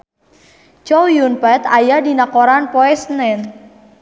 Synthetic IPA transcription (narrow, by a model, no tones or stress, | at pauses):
t͡ʃɔwjunpɛt̪ajadinakoɾanpɔɛsnɛn